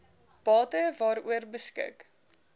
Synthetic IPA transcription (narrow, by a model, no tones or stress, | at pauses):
b̥ɑːtəvɑːɾuərbəskɪ̰k